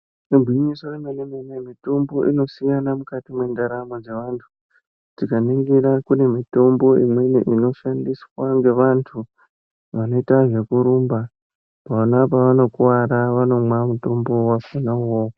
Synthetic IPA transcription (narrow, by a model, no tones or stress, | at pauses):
ibʱwiɲiso̞remenemenemito̞mbo̞ʔino̞siŋɡanamukatimwe̞ndaɾamod͡ze̞ʋantʰu̥ | tikaneŋɡiɾakune̞mito̞mbo̞imwe̞nḛʔino̞ʃandiswaŋɡe̞ʋantʰu | ʋano̞itaʐe̞kuɾuːmba | paʋanapaʋano̞kuwaɾaʋano̞mwamuto̞mbowafunawo